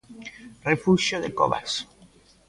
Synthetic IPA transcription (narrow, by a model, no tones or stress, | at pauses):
refuʃjoðeko̰βa̰s